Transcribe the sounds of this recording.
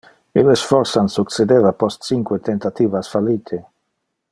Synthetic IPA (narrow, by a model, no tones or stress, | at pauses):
ilesfɔɾsansukt͡sed̪evapɔst̪t͡siŋkwet̪ent̪at̪iːvasfaliːt̪ʰe